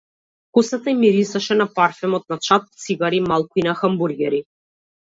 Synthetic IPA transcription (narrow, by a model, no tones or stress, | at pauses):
kusat̪aimiɾisaʃɛnapaɾfɛmɔt̪̚nat͡ʃat̪̚t̪siɡaɾimalˠkuinaxambuɾɡʲɛɾi